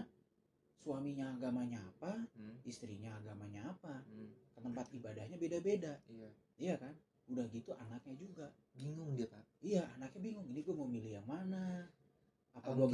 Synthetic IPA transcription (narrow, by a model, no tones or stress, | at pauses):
suwamiɲaːɡamaɲaːpaist̪ɾiɲaːɡamaɲaːpakəməmpat̪ibadahɲabedabeda | ijakan | udahɡit̪uʔanak̚ɲad͡ʒuɡa | biŋʊŋdiapaijaa̰nakɲabiŋʊŋiniɡuamomilijaŋmana | apaɡuaɡ